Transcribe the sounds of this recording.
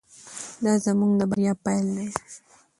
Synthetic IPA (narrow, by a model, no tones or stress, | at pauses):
dazamuŋdabaɾiapalɛ